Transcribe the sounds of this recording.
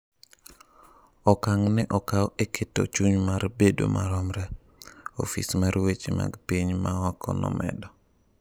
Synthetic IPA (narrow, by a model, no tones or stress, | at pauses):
ɔkaŋnɛʔɔkawekʰɪtɔ̰t͡ʃuɲmarbedo̰mʔaɾɔmɾɛ | o̰fḭsmaɾwet͡ʃima̰ɡpiɲmaɔkʰɔ̰nɔ̰mɛ̰dɔ